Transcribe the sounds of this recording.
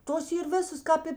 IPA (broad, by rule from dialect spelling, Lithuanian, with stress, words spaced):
ˈtoːs ˈiːr ˈʋʲɪsɐs ˈkɑːp ɪ